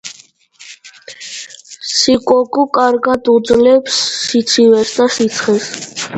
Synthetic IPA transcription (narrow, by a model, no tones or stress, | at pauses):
sikʼɔɡukʼaɾɡad̪ud̪zlɛpsːit̪sʰivɛsd̪asit̪sʰχɛs